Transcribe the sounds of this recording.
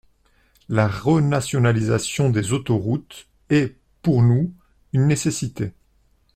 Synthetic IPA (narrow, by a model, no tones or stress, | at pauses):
laʁənasjɔnaliza̰sjɔ̃d̪ezot̪ɔʁut̪ | ɛ | puʁnu | ynːesesit̪e